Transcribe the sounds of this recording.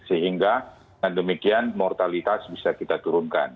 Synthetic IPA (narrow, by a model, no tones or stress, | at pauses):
səɦiŋɡa | ɡandəmikianmɔrt̪alit̪asbisakit̪at̪uɾʊnka̰n